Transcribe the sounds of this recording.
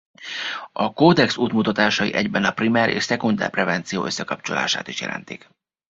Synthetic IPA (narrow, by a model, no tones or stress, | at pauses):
ɒkoːd̪ɛksuːt̪mut̪ɒt̪aːʃɒjiʔɛɟbɛnɒprimɛɾʔḛːʃsɛkund̪ɛ̰rprɛvɛnt̪sijoːʔøsːɛkɒpt͡ʃola̰ːʃaːt̪iʃjɛ̰lʔɛ̰nt̪ik